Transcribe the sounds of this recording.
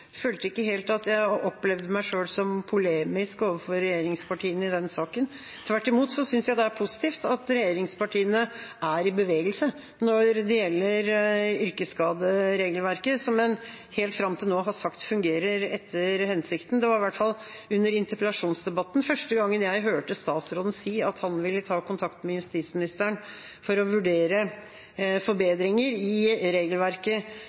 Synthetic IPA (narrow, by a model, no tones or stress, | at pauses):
føːlt̪əɪkːəɦeːlt̪ɑt̪jæɪʔɔpːlɛʋd̪əmæɪʂøːlsɔmpʰʊleːmɪskoːʋəfɔɾːɛjeːɾɪŋspʰɑʈʰiːənəɪd̪ɛnsɑːkən | t̪ʰʋæʈːɪmuːt̪sɔsʏnsjæɪd̪ɛæɾpʰʊsɪ̥t̪ʰiːft̪ɑt̪ɾɛjeːɾɪŋspɑʈʰiːənəʔæɾɪbəʋeːɡəlsə | nɔɾd̪ɛjɛlːəɾʏɾkəskɑːd̪əɾeːɡəlʋæɾkəsɔmːɛn | heːlt̪fɾɑmt̪ʰɪlnoːɦɑsɑkt̪fʉŋɡeːɾəɾɛt̪ʰːəɾhɛnsɪkt̪n̩d̪ɛʋɑɾɪʋæʈfɑl | ʉnːəɾɪnt̪əpəlɑʂuːnsd̪ɛbɑt̪ːn̩fœʂʈəɡɑŋːənjæɪɦøːʈəst̪ɑːt̪sɾoːd̪n̩siːɑt̪hɑnʋɪlːət̪ʰɑːkʊnt̪ʰɑkt̪mɛjʉst̪iːt̪smɪnɪst̪əɳ | fɔɾɔʋʉɖeːɾə | fɔɾbeːd̪ɾɪŋəɾɪɾeːɡəlʋæɾkə